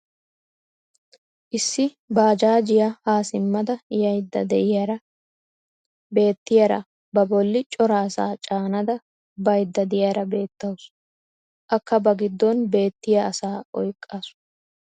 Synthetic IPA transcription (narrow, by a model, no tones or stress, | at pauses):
ʔɪsːɪ | baːd͡ʒaːd͡ʒɪjahaːsɪmːɐd̪ɐjɐjd̪ːɐ̰d̪ɛʔɪjɐɾɐ | be̞ːt̪ːɪjɐɾɐ̰ | bɐbɔlːɪt͡ʃʼɔɾɐːsaːt͡ʃʼaːnɐd̪ɐ | bɐjd̪ːɐd̪ɪjaːɾɐbe̞ːt̪ːɐwʊs | ʔɐkːɐbɐɡɪd̪ːɔnbe̞ːt̪ːɪjɐːsaːʔɔjkʼːaːsʊ̥